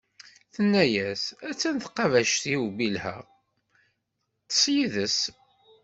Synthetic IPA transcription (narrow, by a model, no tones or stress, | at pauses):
θənːæjæsæt͡sːənθqɑvæʃt̪iwubilhæ̰ʁ | t͡sːə̥sjiðəs